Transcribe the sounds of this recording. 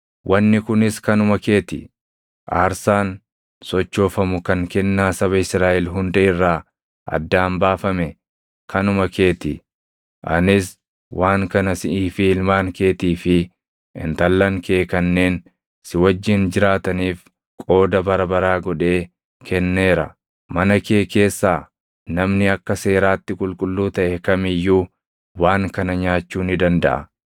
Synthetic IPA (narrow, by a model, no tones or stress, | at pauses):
wʔɐnːɪkʊnɪskɐnʊmɐke̞ːt̪ɪ | ʔaːɾsaːn | sɔt͡ʃːo̞ːfɐmʊkɐŋkɛnːaːsɐβɐɪsɾaːʔɛlɦʊnd̪ɐʔɪrːaː | ʔɐ̰d̪ːaːmbaːfɐmɛ | kɐnʊmɐkʰe̞ːt̪ɪ | ʔɐnɪs | wʔaːŋkɐnɐsɪʔiːfilmaːŋke̞ːt̪iːfɪ | ʔɪ̰nt̪ɐlːɐŋkeːkɐnːe̞ːn | sɪwɐd͡ʒːɪnd͡ʒɪɾaːt̪ɐniːf | kʼo̞ːd̪ɐbɐɾɐbɐɾaːɡɔᶑe̞ː | kʰɛnːe̞ːɾɐ | mɐnɐkeːke̞ːsːaː | nɐmnɪɐkːɐse̞ːɾaːt̪ːɪkʼʊlkʼʊlːuːt̪ɐʔɛkɐmɪjːuː | waːŋkɐnɐɲaːt͡ʃːuːnɪd̪ɐnd̪ɐ̰ʔɐ̰